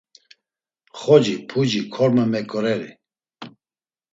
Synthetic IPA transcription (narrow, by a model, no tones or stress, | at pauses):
χɔd͡ʒipʰud͡ʒikʰɔɾmamɛkʼɔɾɛɾḭ